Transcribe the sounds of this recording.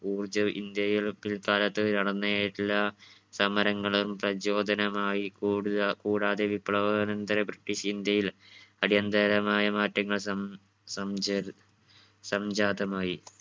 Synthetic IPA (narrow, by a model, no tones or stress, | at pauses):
uːrd͡ʑɐḭnd̪jɐjilpːilkaːlɐt̪ːɨnɐɽɐnːɐjaːjiʈilːɐsɐmɐɾɐŋːɐɭɐmprɐd͡ʑo̞ːd̪ʱɐnɐmaːjikuːɽuðkuːɽaːðe̞ʋipːɭɐʋɐnɐnd̪ɐɾebriʈːiʂind̪jɐjilɐɽijɐnd̪ɐɾɐmaːjɐmaːtːɐŋːɐɭsɐ | sɐm | sɐmd͡ʑaːd̪ɐmaːji